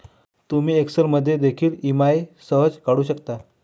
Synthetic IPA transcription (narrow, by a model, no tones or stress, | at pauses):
t̪umiːeksəɾməd̪ʱːjed̪ekʰiːlimajsəɦəd͡zkaɽuːɕəkt̪a